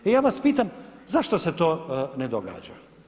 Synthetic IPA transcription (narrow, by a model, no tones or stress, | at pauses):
ejaːʋaspiːt̪amzaʃt̪ose̞t̪oːned̪oɡa̰ːd͡ʒa̰